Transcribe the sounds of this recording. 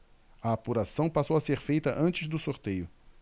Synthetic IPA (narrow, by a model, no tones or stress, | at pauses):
ɐapuɾasɐ̃w̃pasowɐseɾfejt̪ɐʔɐ̃nt͡ʃɪzd̪ʊsoɾt̪ejʊ